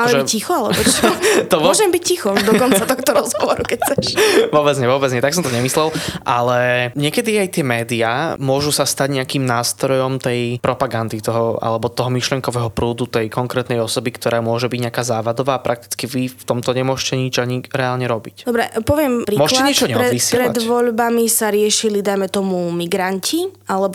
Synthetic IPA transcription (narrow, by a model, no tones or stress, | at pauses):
aʒɛicixɔalɛ̰bɔt̪ɔmʊɔʒɛmbiccixɔd̪ɔkɔnsat̪ɔxt̪ɔɾɔzɦɔʋɔɾukɛc̚t͡sɛʃʋʊɔbɛd͡zɲɛʋʊɔbɛd͡zɲɛt̪aksɔmt̪ɔɲɛmislɛlʔalɛɲɪɛkɛd̪iajt̪ɪɛmɛːd̪iamʊɔʒusast̪aɟɲɛakiːmnaːst̪ɾɔjɔmt̪ɛjpɾɔpaɡand̪it̪ɔɦɔa̰lɛbɔt̪ɔɦɔmiʃlɪɛŋkɔʋɛːɦɔpɾuːd̪ut̪ɛjkɔŋkɾɛːt̪nɛjɔsɔbikt̪ɔɾaːmʊɔʒɛbiɟɲɛakaːzaːʋad̪ɔʋaːpɾʔak̚t̪i̥t͡skiʋift̪ɔmt̪ɔɲɛmʊɔʃcɛɲid͡ʒaɲiɾɛaːlɲɛɾɔbicd̪ɔbɾɛpɔʋɪɛmpɾimɔʃlɛɲːɛt͡ʃɔɲɛɾɛʋisɪɛɾɛla̰d̪ʋɔʎbamisaɾɪɛʃilid̪ajmɛt̪ɔmumiɡɾancialɛbɔ